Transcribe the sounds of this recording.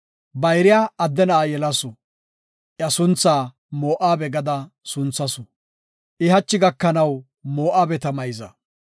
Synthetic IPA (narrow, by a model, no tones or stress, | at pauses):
bɐjɾɪjaːɐd̪ːɛnaːjɛlɐsɔ | ʔjɐsʊnt͡sːaː | mo̞ːʔaːbɛɡɐd̪ɐ | sʊnt͡sːɐsɔ | ʔɪɦɐt͡ʃːɪɡɐkːɐnɐw | moːʔaːbɛt̪ɐmɐjzɐ